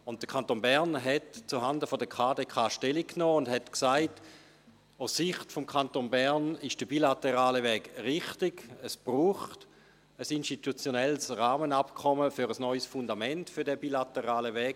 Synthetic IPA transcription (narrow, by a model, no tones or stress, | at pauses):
ʊnt̚d̥əkʰantoːnbɛʁnɦɛtt͡suɦandəfodəkʰaːdeːkʰaːʃtɛlikːnoːʊndhɛtksaɪt | aʊsːɪχtfɔmkʰantonbɛʁnɪʃd̥əbilateʁaːləvɛːɡʁɪχtɪɡ̥əsb̥ruːχt | əsinʃtitut͡sjonɛlsʁaːmənapkʰɔməfyɾəsnɔʏsfundamɛntfyɐdɛbilatəʁaːləvɛːɡ̥